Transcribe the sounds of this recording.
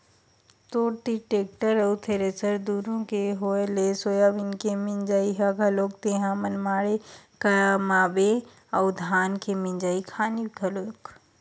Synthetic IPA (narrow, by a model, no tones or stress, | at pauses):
t̪oːʈ̪iʈeːk̚ʈəɾɐwt̪ʰeɾeːsəɾd̪uːɾõkeɦoːelesoːjabɪnkemɪnd͡ʒaːiɦaɡʱɐloːk̚t̪eːɦãmɐnmaːɽekamaːbe | ɐwd̪ʱaːnkemɪ̃nd͡ʒaːikʰaːnikɐloːk